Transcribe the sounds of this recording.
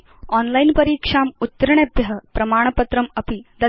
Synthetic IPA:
ɔnlajnpəɾiːkʂaːmut̪ːəɾɳebʱjɐɦəpɾɐmaːɳ̃pət̪ɾəmɐpid̪ɐ

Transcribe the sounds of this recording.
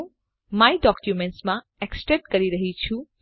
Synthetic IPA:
mãiɖɔkjumẽɳʈsmã | eksʈɾeʈkəɾiɾəɦit͡ʃʰu

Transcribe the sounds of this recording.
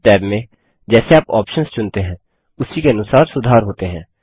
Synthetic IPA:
ʈɛːbmẽː | d͡ʒɛːseaːpɔ̰ːpʃənst͡ʃʊnt̪eːɦɛ̃ː | ʊsiːkeənʊsaːɾsʊd̪ʱaːɾɦoːt̪eːɦɛ̃ː

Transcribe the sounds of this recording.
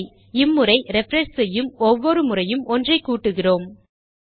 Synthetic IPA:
ɪmːɯrɐɪɾɛfɾɐnsɛjːɯmɔʋːɔɾɯmɯrɐjɯmɔndrɐɪkːuːʈːɯɣɪroːm

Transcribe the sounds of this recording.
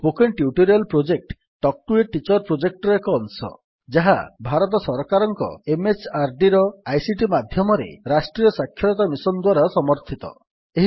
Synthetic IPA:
pokeɳʈjuʈoɾialpɾod͡ʒek̚ʈː | ɔk̚ʈueʈːit͡ʃɔɾpɾod͡ʒek̚ʈɔɾekɔːnsɔ̰ | d͡ʒaɦa̰bʱaɾɔt̪ɔsɔɾkaɾɔŋkɔ̰emet͡ʃaɾɖiɾɔajsiʈimad̪ʱjɔmɔɾḛɾasʈɾijɔsakʰːjɔɔt̪amisɔnd̪waɾasɔmɔɾt̪ʰit̪ɔ̰ | eɦi

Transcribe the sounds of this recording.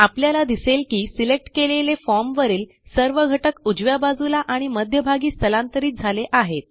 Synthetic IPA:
apljalad̪iselkiːsilek̚ʈkelelefɔɾmʋəɾiːl | səɾʋəɡʱəʈəkud͡ʑʋjabad͡zulaʔaɽ̃iməd̪ʱjəbʱaɡiːst̪ʰəlãnt̪əɾiːt̪̚d͡zʱaleʔaɦet̪̚

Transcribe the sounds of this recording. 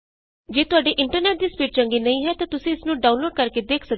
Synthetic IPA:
d͡ʒeːt̪ʊaːɖeːʔɪɳʈəɾneːʈ̚d̪iːspiːʈt͡ʃəŋɡiːnəĩːɦɛːt̪ãːt̪ʊsĩːɪsnũːɖaːʊ̃nloːɖ̚kəɾkeːd̪eːkʰsək

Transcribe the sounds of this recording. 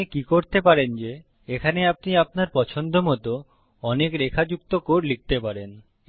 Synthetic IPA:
ikikoɾt̪epaɾend͡ʑe | ekʰaneap̚niap̚naɾpɔt͡ɕʰond̪ʱomɔt̪o | ɔnekɾekʰad͡ʑukt̪okoɾlik̚t̪epaɾen

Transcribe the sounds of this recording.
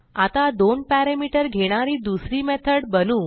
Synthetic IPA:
at̪ad̪onpæɾemiʈəɾɡʱeɽ̃aɾiːd̪usɾimɛt̪ʰəɽbənũː

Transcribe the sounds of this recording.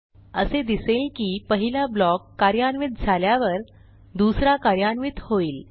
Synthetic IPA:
əsed̪iselkiːpəɦilablɔkːaɾjaɳʋit̪̚d͡zʱaljaʋəɾ | d̪usɾakaɾjanʋit̪hoiːl

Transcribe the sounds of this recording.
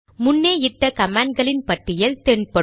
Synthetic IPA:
mʊnːeːɪʈːɐkɐmaːɳɡɐɭɪnpɐʈːɪjɐlt̪eːɳpɐ

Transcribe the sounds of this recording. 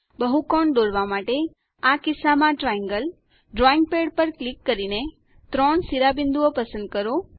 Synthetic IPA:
bəɦukɔɳd̪oɽʋamaʈe | akɪsamãʈɾajə̃ŋɡəl | ɖɾɔɪ̃ŋɡ̚peɽpəɾklikːəɾine | t̪ɾɔɳsiɾabɪnd̪uopəsə̃nd̪̚kəɾo

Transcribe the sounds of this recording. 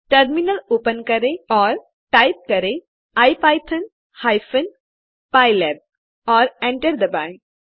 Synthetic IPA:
ʈɐɾminəloːpənkɐɾeɔːɾ | ʈaɪp̚kɐɾe | ajpaːjt̪ʰən | haɪfʰən | paːɪlɛb̚ | ɔːɾẽɳʈəɾd̪əbãŋk

